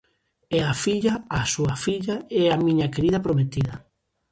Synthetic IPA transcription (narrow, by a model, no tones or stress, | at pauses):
ɛafiʎaːsuɐfiʎaɛamĩɲɐkeɾiðɐpɾomet̪iðɐ